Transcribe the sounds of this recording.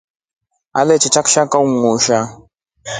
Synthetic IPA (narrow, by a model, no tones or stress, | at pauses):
a̰lɛt͡ʃit͡ʃakʃakauŋuʃa